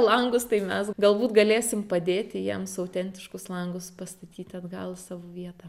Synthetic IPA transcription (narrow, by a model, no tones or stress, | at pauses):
lˠɐŋɡʊst̪ɐɪmʲɛsɡɐlˠbuːt̪ɡɐlʲeːsʲɪmpɐd̪ʲeːt̪ʲɪjɛmsɐʊt̪ʲɛnʲt̪ʲɪʃkʊslˠɐŋɡʊspɐst̪ɐt̪ʲiːt̪ʲɐd̪ɡɐlˠsɑːʋoːʋʲiɛt̪ɐ